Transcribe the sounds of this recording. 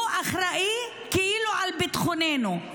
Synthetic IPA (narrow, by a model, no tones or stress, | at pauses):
ʔaχɾaʔi | keʔiːluʕalbit̪χoneːnu